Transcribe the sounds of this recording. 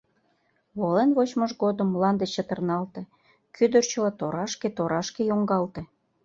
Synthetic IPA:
βolenβot͡ɕməʃɡod̪əmːlɑnd̪et͡ɕːət̪ərnɑlt̪e | kʰyd̪ərt͡ɕə̆lɑt̪oɾɑʃket̪oɾɑʃkejoŋɡɑlt̪e

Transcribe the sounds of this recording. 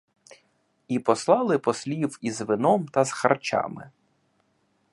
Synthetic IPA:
ipɔslˠɑlˠɪpɔsʲlʲiwizʋɪnɔmt̪ɐzxɐrt͡ʃɑ̰mɪ̰

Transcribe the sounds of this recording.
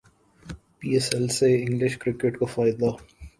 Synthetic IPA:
piːɛsɛlseɪ̃ŋɡlɪʃkɾɪkeʈkofaːɪd̪a

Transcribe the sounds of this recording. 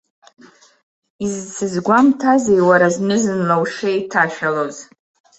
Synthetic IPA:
izt͡sʰɨzɡʷamtʰazejwaɾaznɨzɨnlawʂejtʰaʃᶣaloz̥

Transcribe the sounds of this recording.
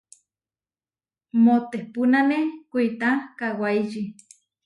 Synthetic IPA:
mot̪ehpunanekʷit̪akawaiʒi

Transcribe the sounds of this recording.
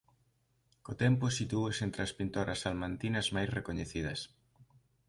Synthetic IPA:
kot̪ɛmpʊsit̪uesent̪ɾɪɐspint̪oɾɐsalmant̪inɐzmajsrekoɲeθiðɐs

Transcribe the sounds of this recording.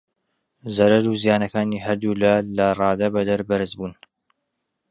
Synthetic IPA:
zɐɾɐɾuzjaːnɐkaːniːɦɐɾd̪ulalɐrˤɑːd̪ɐbɐd̪ɐɾbɐɾɨzbuːn

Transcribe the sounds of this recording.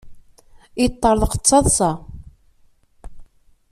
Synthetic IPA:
it̪ˤːəɾˤðˤqə̥t͡sːɑðˤsɑ

